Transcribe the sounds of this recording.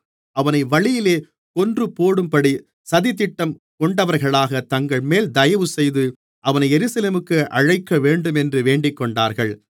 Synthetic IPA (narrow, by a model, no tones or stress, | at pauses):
ʔɐʋɐnɐɪʋɐɭɪjɪleː | kɔndrɯpoːɽɯmpɐɽi | sɐðit̪̬ːɪʈːɐm | kɔɳɖɐʋɐɾɣɐɭaːɣɐt̪ɐŋɡɐɭmeːld̪ɐjɐʋɯsɛjðɯ | ʔɐʋɐnɐɪjɛɾɯsɐleːmɯkːɯʔɐɻɐɪkːɐʋeːɳɖɯmɛndrɯʋeːɳɖɪkːɔɳɖaːɾɣɐɭ